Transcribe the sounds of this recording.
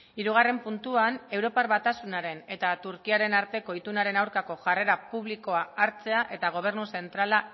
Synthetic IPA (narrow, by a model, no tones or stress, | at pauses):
iɾuɣare̞mpunt̪uane̞wɾo̞parβat̪asunaɾe̞ne̞t̪at̪uɾkiaɾe̞naɾt̪e̞ko̞it̪unaɾe̞nawɾkako̞ʝare̞ɾapuβ̞liko̞aːɾt͡se̞aʔe̞t̪aɣ̞o̞β̞e̞rnuse̞nt̪ɾala